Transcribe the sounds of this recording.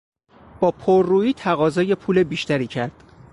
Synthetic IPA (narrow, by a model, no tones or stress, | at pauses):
b̥ɒːpʰoɾːuːiːt̪ʰæɣɒːzɒːje̞pʰuːle̞biːʃt̪æɾiːcʰæɾd̪̥